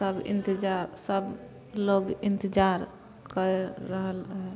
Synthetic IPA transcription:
səbḭnt̪id͡ʒaɾsəb | loɡint̪əd͡ʒaɾ | kəɾːəɦəlɦɛ

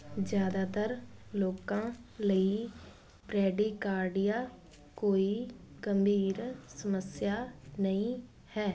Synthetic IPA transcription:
d͡ʒjaːd̪aːt̪əɾloːkãːləiː | pɾɛːɖikaːɾɖɪjaː | koːiːɡəmbʱiːɾsəməsɪjaːnəĩː | hɛː

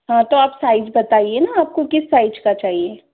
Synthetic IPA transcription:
ɦãt̪oaːpsaːɪd͡ʒbɐt̪aːɦienaaːp̚kokɪsːaːɪd͡ʒkat͡ʃaːɦieː

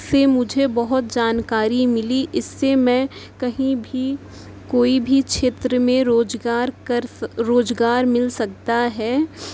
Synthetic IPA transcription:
semʊd͡ʒʱebɐɦʊt̪̚d͡ʒaːnkaːɾimɪliʔɪsːemɛ̃ːkɐɦĩbʱi | koːibʱikʃeːt̪ɾəmẽɾoːd͡ʒɡaːɾkɐɾɾoːd͡ʒɡaːɾmɪlsɐk̚t̪aɦɛː

